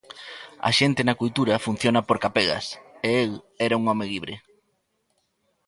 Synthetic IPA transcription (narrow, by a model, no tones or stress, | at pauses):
ɐ̰ʃent̪ɪnɐkujt̪uɾɐfun̟θjonɐpoɾkapɛɣɐ̰seel | ɛɾɐuŋɔmeliβɾe